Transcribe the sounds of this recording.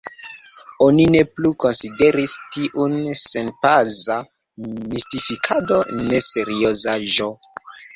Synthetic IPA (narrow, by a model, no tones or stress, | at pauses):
o̞nine̞pluko̞nside̞ɾistiʔunsenpaza | mistifikʰado̞ne̞se̞ɾiozaʒo̞